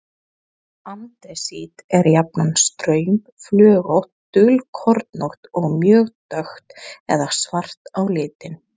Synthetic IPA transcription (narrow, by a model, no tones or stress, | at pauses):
ant̪ɛsit̪ɛɾjapnanst̪ɾœːɥm | flœːɣowht̪ː | ʏlkʰɔɾt̪nowht̪ɔɣmjœːɣt̪œxt̪ɛ̰ðasvar̥t̪awlɪːt̪ɪn